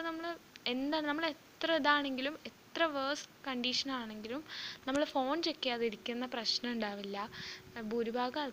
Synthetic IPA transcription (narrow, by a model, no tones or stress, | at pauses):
nɐmːɐɭend̪aːnɐmːɐɭet̪rɐiðaːɳe̞ŋɡilume̞t̪rɐʋɐːskɐɳɖiʂɐnaːɳe̞ŋɡilumnɐmːɐɭfo̞ːnt͡ɕe̞kːijɐːɐðiɾikʲːunːɐprɐɕnɐuɳɖaːʋilːɐbʱuɾubʱaːɡɐ